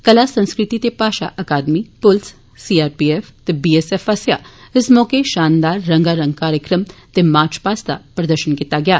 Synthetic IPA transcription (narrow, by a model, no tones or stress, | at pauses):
kɐlasɐ̃nskɾɪt̪it̪epaːʃa̰ʔɐkaːd̪mipʊls | siːaːɾpieːft̪ebiːesɛːfɐsja̰ɪsmɔːkeʃaːnd̪aːɾːɐ̃ŋɡaɾɐ̃ŋɡkaːɾjəkɾəmt̪emaːɾt͡ʃpaːst̪a̰pɾɐd̪əɾʃənkiːt̪aɡɪjaː